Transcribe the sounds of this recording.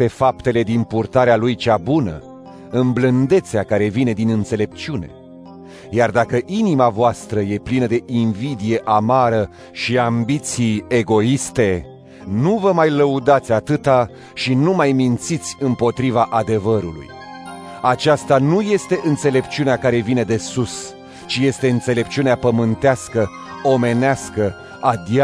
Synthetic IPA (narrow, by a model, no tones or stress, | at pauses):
pe̞fapt̪e̞le̞d̪inpurt̪aɾealujt͡ʃabunə̰ | ɨmblɨnd̪e̞t̪seakaɾe̞vine̞d̪inɨnt̪se̞le̞p̚t͡ʃiune̞̰ | jard̪akəʔinimavoast̪ɾəje̞plinəd̪e̞ʔinvid̪ije̞ʔamaɾə | ʃiambit̪sije̞ɡo̞ist̪e̞ | nuvəmajləud̪at̪sʲat̪ɨt̪a | ʃinumajmint̪sit̪sʲɨmpo̞t̪ɾivaʔad̪e̞vəɾulṵj | at͡ʃast̪anuje̞st̪e̞ʔɨnt̪se̞le̞p̚t͡ʃiuneakaɾe̞vine̞d̪e̞sus | t͡ʃije̞st̪e̞ɨnt̪se̞le̞pt͡ʃiuneapəmɨnt̪easkə | o̞me̞neaskə | ad̪ia